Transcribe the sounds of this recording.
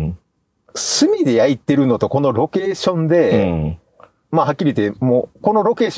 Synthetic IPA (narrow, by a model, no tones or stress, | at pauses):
sɨmʲid̪e̞jait̪ːe̞ɾɯ̟no̞t̪o̞ko̞no̞ɾo̞ke̞ːɕõ̞nd̪e̞ | mahakʲːiɾʲit̪emoːko̞no̞ɾo̞ke̞ːɕ